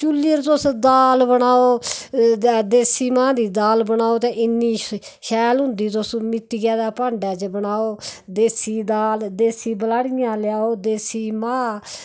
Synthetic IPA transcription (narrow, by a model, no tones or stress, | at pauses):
t͡ʃulːiəɾt̪ʊsd̪aːlbəɳaːoː | d̪eːsiːmãːd̪iːd̪aːlbəɳaːoːt̪ẽʔɪnːiː | ʃɛːlɦʊ̃nd̪iːt̪ʊsmɪt̪ːiɡaːd̪aːpãːɳɖaːt͡ʃbəɳaːoːd̪eːsiːd̪aːld̪eːsiːbəlaːɽɪjãːlɪjaːoːd̪eːsiːmãː